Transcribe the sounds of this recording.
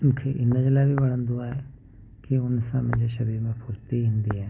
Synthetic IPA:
kʰeʔɪnəd͡ʑlaːbʱibɐɽ̤̃ə̃nd̪oaːɦe | kiʊnsãmə̃d͡ʑeʃɐɾiːɾmẽpʰʊɾt̪iɦɪ̃ːnd̪iɦɛː

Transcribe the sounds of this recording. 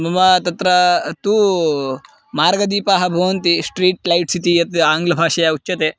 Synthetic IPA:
mɐmɐt̪ɐt̪ɾɐt̪u | maːɾɡɐd̪iːpaːɦɐbʱɐʋɐnt̪isʈɾiːʈlɐjʈsit̪ijɐt̪aːŋɡlɐbʱaːʃɐjaut͡ʃːt͡ʃːɐt̪eː

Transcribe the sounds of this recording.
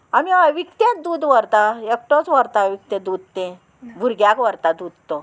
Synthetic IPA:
amiaʋikt̪ẽd̪uːd̪ʋəɾt̪aek̚ʈot͡sʋəɾt̪aʋik̚t̪ẽd̪ud̪t̪ẽ | bʱuɾɡjakʋəɾt̪ad̪ud̪t̪o

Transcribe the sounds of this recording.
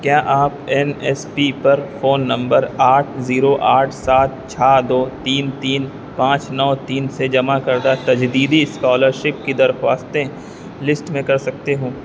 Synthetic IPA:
kjaːʔaːpɛnɛːspipɐɾfoːnːɐ̃mbəɾaːʈʰziːɾoʔaːʈʰsaːt̪̚t͡ʃʰaːd̪oːt̪iːnt̪iːn | pãːt͡ʃnɔːt̪iːnsed͡ʒɐmakɐɾd̪at̪ɐd͡ʒd̪iːd̪iskɔːləɾʃɪp̚kid̪ɐɾxwaːst̪e | lɪsʈmẽkɐɾsɐk̚t̪eɦũː

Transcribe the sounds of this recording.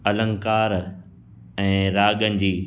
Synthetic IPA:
ɐlə̃ŋkaːɾ | ɛ̃ːɾaːɠənɪ̆d͡ʑiː

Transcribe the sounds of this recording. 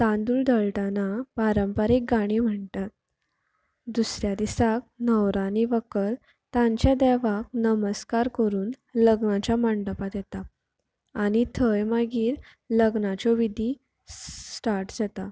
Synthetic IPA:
t̪ãnd̪uːld̪əɭʈanapaɾəmpəɾek̚ɡaɽ̃im̤əɳtat̪̚ | d̪usɾjad̪isak̚nəwɾaniʋəkəɾ | t̪ãɲt͡ɕjad̪əʋak̚nəməskaɾkəɾuːn | ləɡnat͡ɕjamaɳɖəpat̪jɛt̪aː | ɽ̃it̪ʰəjmaɡiːɾ | ləɡnat͡ɕɔʋid̪ʱi | sʈaɾʈd͡zat̪a

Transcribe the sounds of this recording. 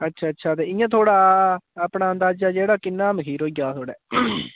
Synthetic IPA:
ətːʃʰaːətːʃʰaːt̪̬eːɪjãːt̪ʰoːɽaːəpɳaːənd̪aːd͡ʒaːd͡ʒeːɽaːkɪnːaːməkiːɾoːiɡaːt̪ʰoːɽɛ̰ː

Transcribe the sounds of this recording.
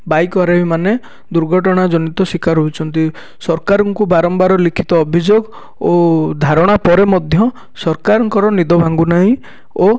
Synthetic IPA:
bajkɔɾabimane | d̪uɾɡʱɔʈɔɽ̃ad͡ʒɔnit̪ɔsikaɾɦout͡ʃʰɔnt̪i | sɔɾkaɾɔŋkubaɾɔmbaɾɔlikʰi̥t̪ɔːbʱid͡ʒoɡ | od̪ʱaɾɔɽ̃apɔɾemɔd̪ʱjɔ | sɔɾkaɾɔŋkɔɾɔnid̪ɔbʱaŋɡunaɦĩ | o

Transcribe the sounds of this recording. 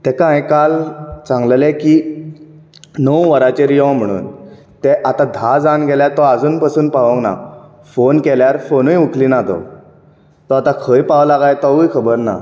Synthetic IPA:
t̪ɛkãjkalt͡sãŋɡlleki | nəwʋəɾat͡ɕeɾijɔ̃m̤əɽ̃ṵːn | t̪ɛʔat̪ãd̪ʱad͡zanɡʱɛljat̪ɔad͡zuːnpasuːnpaʋə̃kna̰ | fonkɛljaɾfonujukʰlinat̪ɔ̰ | t̪ɔat̪ãkʰəjpaʋlaɡajt̪ɔʋujkʰəbəɾna̰

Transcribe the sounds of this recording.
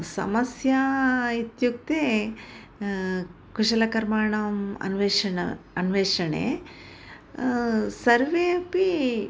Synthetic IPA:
sɐ̰mɐsjait̪juk̚t̪eː | kuʂɐlɐkɐɾmaːɳɐmɐ̰nʋeːʂɐɐɐnʋeːʂɐɳḛː | sɐɾʋeːɐpi

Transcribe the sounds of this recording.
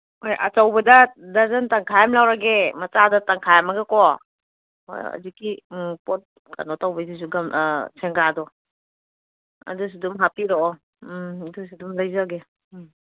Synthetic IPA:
hojʔɐ̰t͡ʃawbɐdɐdaɾzɐntaŋkʰajamlawɾaɡemɐt͡ʃadɐtaŋkʰajamɐɡakɔ | o̰j̰a̰zikːipot̚ | ka̰nɔtawbɐjsis̬uɡamsʰeŋɡadɔ | ɐ̰dus̬idumɦapiɾɔɔ | dusidumlajzaɡe

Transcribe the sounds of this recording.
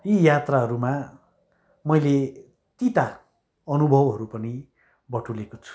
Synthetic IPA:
jijat̪raɦʌɾuma | mʌjle | t̪it̪a | ʌnubʱʌwɦʌɾupʌni | bʌʈʰulekot͡sʰu̥

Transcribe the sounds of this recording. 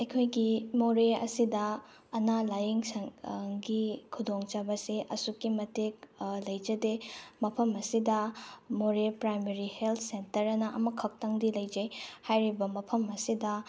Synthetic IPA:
ɐjkʰojɡimoɾeɐ̰sidɐ | ɐnalajiŋsɐŋŋɡikʰudoŋt͡ʃabɐseʔɐsukːimɐtek̚lɐjd͡ʒɐdemɐpʰɐmɐsidɐmoɾepɾajmeɾihelt̪ʰsentɐɾɐnɐʔɐmɐkʰɐk̚tɐŋdilɐjd͡ʒɐjhajɾibɐmɐpʰɐmɐsidɐ

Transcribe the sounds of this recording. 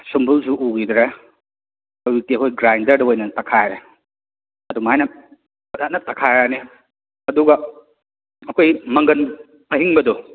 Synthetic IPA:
sumbulsuʔuɡidɾe | ɐwwik̚tiɐkʰojɡɾajndɐɾdɐojnɐtɐkʰajɾe | ɐdumajnɐ | bɐt̚at̚nɐtɐkʰajɾane | ɐduɡɐ | ɐkʰojmɐŋɡɐn | ɐɦiŋbɐdɔ

